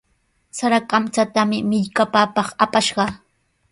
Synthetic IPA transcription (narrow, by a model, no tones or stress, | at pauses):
saɾakamt͡sat̪amɪmɪʎkapaːpɑχapaʃɢɑ